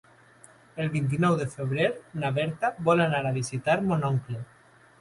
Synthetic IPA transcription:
elβint̪̬inɔwðefeβɾeɾnaβɛɾt̪aβɔlanaɾaβ̞isit̪aɾmonɔŋkle

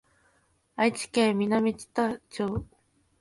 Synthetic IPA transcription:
ait͡ɕi̥kemʲinamʲit͡ɕi̥t̪at͡ɕoː

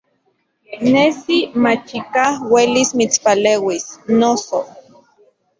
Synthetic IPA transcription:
nesimat͡ʃikahwelismit͡spaleːwisnoso

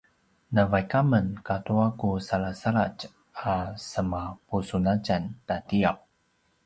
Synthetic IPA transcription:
nəvajkamənkatuakusaɭasaɭat͡ʃ | asəmapusunat͡ʃantatiap̚

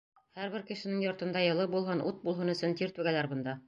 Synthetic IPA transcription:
hæɾβɘɾkɘ̆ʃɘ̆nɘŋjɒɾt̪ɤ̆nd̪ɑjɤ̆lˠɤbulˠɦɤnʔut̪̚bulˠɦɤnɵ̆sɵnt̪iɾt̪ʉɡælæɾbɤ̆nd̪ɑ

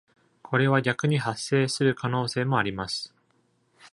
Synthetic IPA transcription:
kʰo̞ɾe̞β̞aɡʲakɯ̟ɲ̟ihasːe̞ːsɨɾɯ̟kʰano̞ːse̞ːmo̞aɾʲimasɨ̥

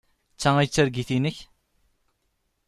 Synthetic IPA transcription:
t͡sːææjt͡sːæɾɡiθinəç

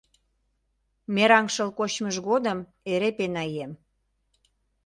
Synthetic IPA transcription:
meɾɑŋʃə̆lkot͡ɕməʒɣod̪əm | eɾepenɑjem

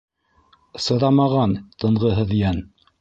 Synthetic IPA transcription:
sɤ̆ðɑmɑʁɑnt̪ɤ̆ɴʁɤɦɤ̆ðjæn

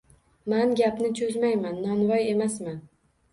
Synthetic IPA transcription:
manɡʲapnɪt͡ʃʰɵzmajmanːɒnvɒje̞masman

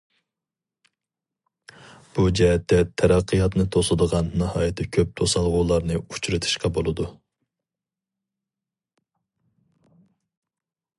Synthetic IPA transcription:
b̥ud͡ʒɛɦɛt̪ːɛt̪ʰɛɾɑqʰːəjɑt̪nɨt̪ʰosɨd̪əʁɑnːɪhɑːjɨt̪ʰːɪkʲʰøp̚t̪ʰosɑlˠʁuːlˠɑɾnɨut͡ʃʰɾɨt̪ʰɨ̥ʃqɑbolˠɨd̪u

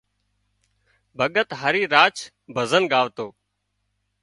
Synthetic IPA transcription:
bʱəɠət̪ɦəɾiːɾaːt͡ʃ | bʱəzənɠaːʋt̪oː

